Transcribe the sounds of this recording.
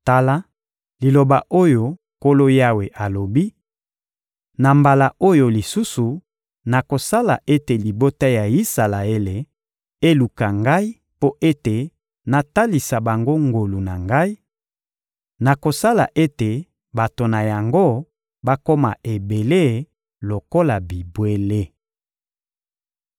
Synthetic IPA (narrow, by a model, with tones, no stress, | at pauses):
ta˦la˦ | li˨lo˨ba˨ʔo˦jo˨ | ko˦lo˦ja˦we˨ʔa˨lo˨bi˦ | na˨mba˨la˨o˦jo˨li˨su˦su˨ | na˨ko˨sa˦la̰˨ʔe˦te˨li˨bo˦ta˦ja˨i˦sa˨la˨e˦le˨ | e˦lu˨ka˨ŋɡa˦i˦ | po˦ʔe˦te˨ | na˨ta˦li˨sa˨ba˨ŋɡo˦ŋɡo˨lu˨na˨ŋɡa˦i˦ | na˨ko˨sa˦la˨ʔe˦te˨ | ba˨to˨na˨ja˨ŋɡo˦ | ba˦ko˦ma̰˨e˨be˨le˦˨ | lo˨ko˦la˨bi˨bwe˦le˦